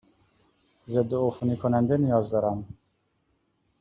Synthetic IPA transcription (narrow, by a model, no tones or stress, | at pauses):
zed̪ːoofunikʰunand̪ɛnijɒzd̪ɔɾan